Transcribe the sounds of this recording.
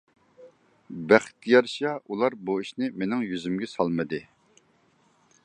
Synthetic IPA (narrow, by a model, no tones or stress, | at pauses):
bæχt̪̚ijɑɾʃɑʔulˠɑɾbuiʃnɪmenɪŋjyzymɡʲɛsɑlˠmɨd̪ɨ